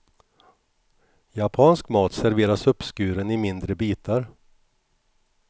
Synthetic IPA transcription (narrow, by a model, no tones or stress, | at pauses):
japʰɑːnskmɑːt̪sæɾveːɾasɵpːskʉ̟ːɾənɪmɪnd̪ɾəbiːt̪ʰaɾ